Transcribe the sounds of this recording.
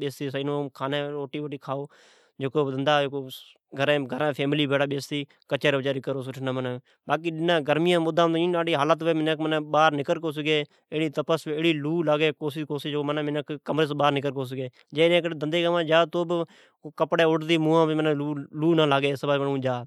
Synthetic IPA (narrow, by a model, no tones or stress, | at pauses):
ɓeːst̪iːsɪnõːkʰaːnẽːɾoːʈiːʋoʈiːkʰaːoː | d͡ʒoːkoːd̪ənd̪aːd͡ʒoːkoː | ɡʱəɾẽːɡʱəɾãːpʰeːmɪliːbeːɽaːɓeːst̪iː | kət͡ʃeːɾːbəd͡ʒaːɾikəɾoːs̬ʊʈʰnãːmənẽː | ɓaːkiːɗɪnãːɡəɾmɪjãːmʊd̪ãːmĩːaːɽiːɦaːlat̪ʋeːmɪnekmənẽːɓaːɾnɪkəɾk̬oːs̬əɡeː | eːɽiːt̪əpəseːɽiːluːlaːɡeːkoːsɪkoːsid͡ʒokːmənẽːmɪnəkkːəmɾeːsɓaːɾnɪkəɾkoːs̬əɡeː | d͡ʒeːnẽːked̪ənd̪eːɡəmãːd͡ʒaːt̪oːb | kəpɽeːʊɽd̪iːmũːãːmənẽːuːluːnaːlaːɡeːsbaːmənũːd͡ʒaː